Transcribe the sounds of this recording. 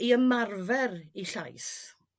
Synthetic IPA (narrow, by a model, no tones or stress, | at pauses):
iəmarvɛriɬajs